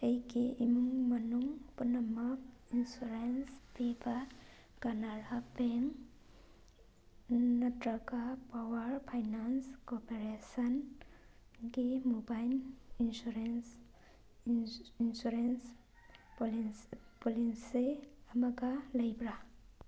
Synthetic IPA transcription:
ejɡiʔimuŋmɐnuŋpunamakinsuɾenspiba | ɡ̥anaɾapeŋ | natɾaɡapawaɾpʰajnanskɔpeɾesɐn | ɡimubajlinsuɾens | insuɾens | plpɔlinseɐmaɡalɐjbɾa

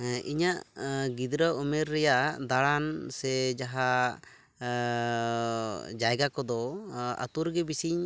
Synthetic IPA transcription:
iɲaʔɡid̪ɾəumɛɾːɛjaʔd̪aɽansɛd͡ʒaɦa | d͡ʒajɡakɔd̪ɔa̰t̪uɾɡɛbisiɲ

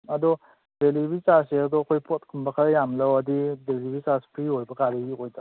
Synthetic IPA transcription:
ɐdɔ | delibisaseɐdɔkʰojpɔt̚kʰumbɐkʰaɾjamlɐwɐdidelibisaspʰɾiɦojbɐkaɾiɡiojda

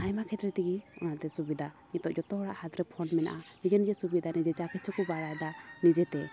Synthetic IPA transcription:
hajmakʰɛt̪ɾɛt̪iɡiɔ̰nat̪ɛsubid̪ʱa | ɲit̪ɔʔd͡ʒɔt̪ɔɦɽaʔhad̪ɾɛpʰɔnmɛna̰ʔanid͡ʒɛnd͡ʒɛsubid̪anid͡ʒɛt͡ʃakʰɛt͡ʃʰɔkɔbaɽajd̪anid͡ʒɛt̪ɛ

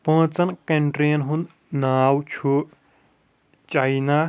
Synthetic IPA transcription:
pə̃ːt͡sɐnkeɳʈɾijɐnɦũnd̪ | naːwt͡ʃʰu | t͡ʃaina

